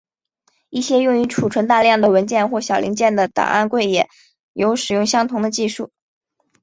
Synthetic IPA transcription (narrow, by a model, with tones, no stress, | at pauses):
i˥˩ɕjɛ˥jʊ˥˩ŋy˧˥ʈ͡ʂʰu˨˩ʈ͡ʂʰwə˧˥nt̪a˥˧ljɑ˥˩ŋd̪ə˩wə˧˥nt͡ɕjɛ˥˧nxwɔ˥˩ɕjɑ˨˩ʊlʔḭ˧˥ŋt͡ɕjɛ˥˩nd̪ə˩t̪ɑ̰˨˩ŋʔa̰˥˧nkwe˥˩ɪjɛ˨˩˦ | jo˧˥ʊʂɻ̩˨˩jʊ˥ŋɕjɑ˥ŋt̪ʰʊ˧˥ŋd̪ə˧t͡ɕi˥˧ʂu˥˩